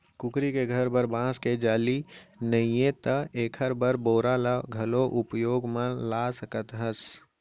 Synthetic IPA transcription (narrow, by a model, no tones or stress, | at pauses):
kʊkɾikeɡʱɐɾbəɾbãːsked͡ʒaːlinəijẽt̪əeːkʰəɾbəɾboːɾalaɡʱɐloʔʊpjoːɡmə̃laːsəkət̪ɦəs